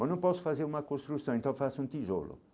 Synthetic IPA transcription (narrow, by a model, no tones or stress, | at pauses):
ɐ̃nɐ̃w̃pɔsʊ̥fazeɾũmɐkõst̪ɾusɐ̃w̃ẽnt̪ɐ̃w̃fasũt̪iʒo̰lʊ̰